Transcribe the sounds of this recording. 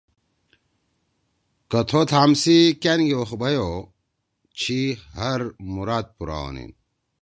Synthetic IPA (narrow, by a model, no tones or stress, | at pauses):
kɐt̪ʰot̪ʰaːmsikenɡioxbɐjo | t͡ɕʰihɐɾmuɾaːd̪̚puɾa̰o̰nḭn